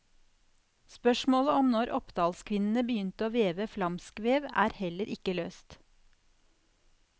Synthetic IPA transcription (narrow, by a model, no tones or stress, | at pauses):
spœʃmoːləɔmnɔɾʔɔpd̪ɑːlskʰʋɪnn̩əbəjʏnt̪əoːʋeːʋəflɑmskʋeːʋæ̰ːɾhɛləɾʔɪkəløːst̪